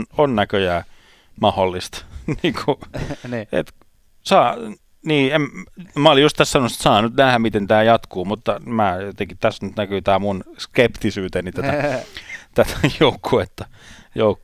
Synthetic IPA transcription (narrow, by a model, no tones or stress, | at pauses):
nonnækøjæː | mɑholːist̪niːŋkʰu | ḛt̪ | sɑː | niːemmæolijust̪æssɑnose̥t̪sɑːnyt̪næhæmit̪ent̪æːjɑt̪kuːmut̪ːɑmæːt̪eŋkitt̪æsnyt̪nækyːt̪æːmunskept̪isyːt̪enit̪æt̪æ | t̪æt̪æjoukʰːuet̪ːɑjoukː